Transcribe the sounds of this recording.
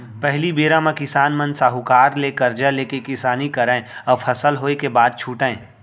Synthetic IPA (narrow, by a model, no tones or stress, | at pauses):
pɛɦlibeːɾãmẽkɪsaːnmə̃nsaːɦukaːɾleːkɐɾd͡ʒaleːkekɪsaːnikɐɾɛ̃ːɔfʰɐsəlɦoːekebaːd̪̚t͡ʃʰuːʈẽː